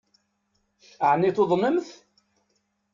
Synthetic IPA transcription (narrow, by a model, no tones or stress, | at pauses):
əʕnːiθoðˤnəmθ